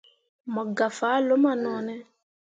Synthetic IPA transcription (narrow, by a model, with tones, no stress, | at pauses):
mɔ˨ɡa˨fa˨˦lo˦ma˦˨nɔ˨nɛ˦